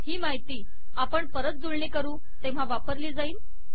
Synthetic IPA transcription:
hiːmaɦit̪iː | apəɳpəɾət̪̚d͡zuɭɳekəɾũː | t̪ẽʋ̤aʋapəɾliːd͡zaiːl

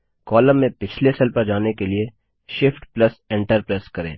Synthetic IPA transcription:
kɔːlə̃mːẽpɪt͡ʃʰlesɐlpəɾd͡ʒaːnekelie | ʃɪfʈplɐsɛ̃ːɳʈəɾpɾeːskɐɾḛ̃ː

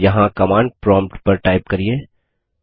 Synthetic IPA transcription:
jɐɦãkɐmãːɳɖ̚pɾɔ̃ːmpʈpɐɾʈaːɪpkɐɾieː

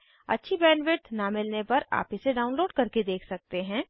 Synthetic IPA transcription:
ɐ̰tːʃʰibɛːnʋɪɾt̪namɪlnepɐɾa̰ːpɪseɖaːʊnloːɖkɐɾked̪eːkʰsɐk̚t̪eɦɛ̃ː

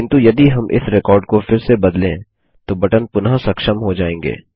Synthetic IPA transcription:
kɪnt̪ujɐd̪iɦɐmʔɪ̰sɾɪkɔːɾɖkofɪɾsebɐd̪lẽ | t̪obɐʈənpʊnasɐkʃəmɦod͡ʒaːẽːŋɡḛː

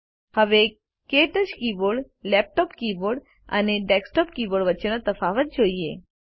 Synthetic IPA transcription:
həʋe | keʈət͡ʃkiboɽ | lɛp̚ʈɔpkiboɽ | ə̰neɖɛksʈɔp̚kiːboɽʋət͡ʃənət̪əfaʋət̪̚d͡ʒoie

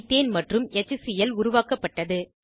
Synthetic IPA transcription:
t̪ːeːnmɐʈrɯmɛt͡ʃːɯsɪjɐlʊɾʊʋaːkɐpːɐʈːɐðɯ

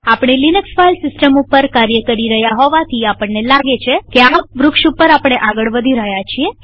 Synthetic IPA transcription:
apɳ̃elinəksfajlsɪsʈəmupəɾkaɾjəkəɾiɾəɦjaɦɔʋat̪ʰiapəɳnelaɡet͡ʃʰekeaʋɾʊkʃupəɾapɳ̃eʔaɡəɭʋəd̪ʱiɾəɦjat͡ʃʰie

